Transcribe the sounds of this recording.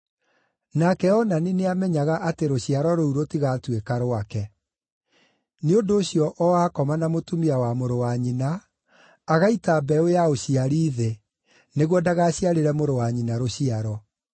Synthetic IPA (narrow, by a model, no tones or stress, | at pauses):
nakɛɔnanineamɛɲaɣaʔateɾoɕiaɾɔɾouɾotiɣatwekaɾoakɛ | neondoːɕjɔʔɔaːkɔmanamotumiawamoɾowaɲinaː | ɣaitabɛojaoɕiaɾiːðe | neɣwɔdaɣaːɕiaɾeɾɛmoɾowaɲinaɾoɕiaɾɔ